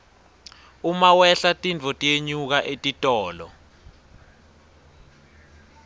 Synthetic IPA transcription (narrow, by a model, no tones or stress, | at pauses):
umawɛɬatʼint͡fɔtʼijeɲuk̬aʔetʼitʼɔːlɔ̰